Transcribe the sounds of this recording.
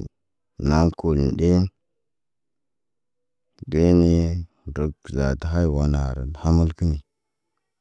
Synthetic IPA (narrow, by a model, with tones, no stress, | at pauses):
na˦nko˨ln˨ɗe˦ | de˦ne˦˨ | ɾə˨kza̰˨ta˨ɦa˦jwa˨na˨ɾə̰˨n˨ha˦mə˦lkə˦ni˨